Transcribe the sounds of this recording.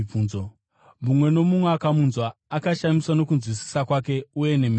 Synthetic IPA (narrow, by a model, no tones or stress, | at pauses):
unzo | mumwe̞no̞mumweakamunzwaːkaʃamiswano̞kunzwisi̥sakwake̞uje̞ne̞mi